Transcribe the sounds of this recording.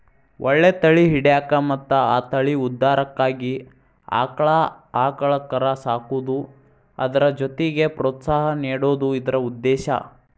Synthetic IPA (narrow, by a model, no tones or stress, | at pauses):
ʔoɭːet̪ɐɭiɦiɽɛjaːkɐmɐt̪ːɐaːt̪ɐɭiud̪ːaːɾɐkːaːɡi | a̰ːkɐɭɐaːkɐɭɐkːɐɾasaːkud̪u | ɐ̰d̪ɐɾɐd͡ʒot̪eɡepɾoːt̪saːɦɐniːɽoːd̪uid̪ɐɾɐud̪ːɛːʃɐ̰